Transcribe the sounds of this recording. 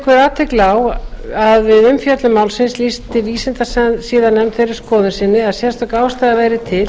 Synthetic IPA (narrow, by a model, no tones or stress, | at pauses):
kʰvɛɾaːt̪ʰɪklawaðvɪðʏmfjœt̪lʏmaːwlsɪnslist̪ɪviːsɪnt̪assiːðanɛmθɛjɾɪɾskɔːðʏsɪnːɪaðsjɛst̪ɔkaːwst̪aðavɛːjɾɪt̪ʰɪl